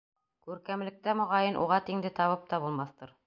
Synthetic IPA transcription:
kʉɾkæmlɘ̆k̚t̪æmŏʁɑjɤnʔṵʁɑt̪iŋd̪ɘt̪ɑβɤp̚t̪ɑbulˠmɑθt̪ɤɾ

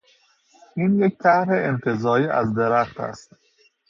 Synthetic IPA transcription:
ʔiːnject̪ʰæhɾeemt̪ʰezɒːɾiːʔæ̰zd̪eɾæχt̪ʰæ̰st̪

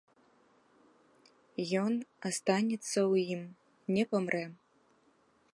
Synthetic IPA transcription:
jɔnast̪anʲɛt̪sːɐwjim | nʲɛpɐmrʔɛ

